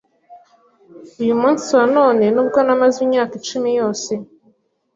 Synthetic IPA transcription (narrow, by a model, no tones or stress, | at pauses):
ujumuːnsiwano̞ːne̞nubɡonamazimɲaːkit͡ʃumijo̞ːse